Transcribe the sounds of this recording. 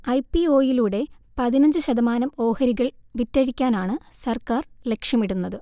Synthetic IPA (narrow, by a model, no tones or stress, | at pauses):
ɐjpio̞ːjiluːɽe̞pɐðinɐɲd͡ʑɨɕɐðɐmaːnɐmo̞ːhɐɾiɣɐɭʋitːɐɻikʲːaːnaːɳɨsɐrkaːrle̞kʂjɐmiɽunːɐðɨ